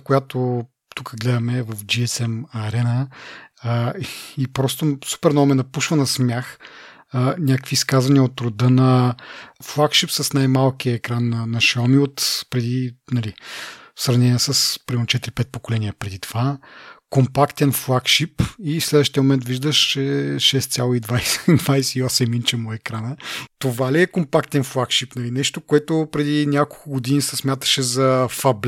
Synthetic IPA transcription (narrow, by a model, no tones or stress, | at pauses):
kojat̪o | t̪ukəɡlɛd̪ɐmɛvəfd͡ʒiɛsɛmɐɾɛnə | ipɾɔst̪osu̥pɛɾnɔmɛnɐpuʃvɐnɐsmʲjax | nʲakəkviːskazvɐniəot̪ɾʊd̪ənɐ | flˠakʃipsɐsnajmalˠkiɐɛkɾanːɐnɐʃɛɔmiot̪pɾɛd̪inɐlisɾɐvnɛniəsɐspɾimɛnot͡ʃɛt̪iɾipɛt̪̚pokolɛniɐpɾɛd̪it̪ovakompakt̪ɛnflˠakʃipislɛd̪vəʃt̪iəmomɛnt̪viʒd̪əʃt͡ʃɛʃɛst̪sʲjalˠoid̪vajsɛ̥d̪vajsɛiɔsɛmint͡ʃɛmoɛkɾanət̪ovaliɛkompakt̪ɛnflˠakʃipnɐlinɛʃt̪okoɛt̪opɾɛd̪inʲjakolˠkʊɡod̪inisəsmʲjat̪ə̥ʃɛzɐfɐbl